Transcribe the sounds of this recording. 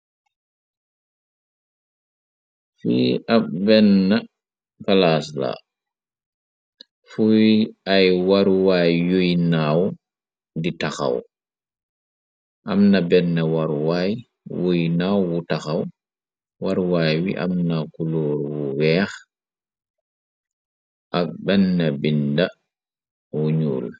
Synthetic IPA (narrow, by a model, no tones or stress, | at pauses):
fḭʔap̚bɛnːɐ | kalaːsla̰ | fuwiajwaɾwaːjːujnaːw | ditaxa̰w | ʔamnɐbɛnːɐwaɾwaːj | wujnaːwwutaxaw | waɾwaːjwḭʔa̰mnakulɔːɾwuwɛːx | ʔak̚bɛnːɐbinda | wuɲṵːl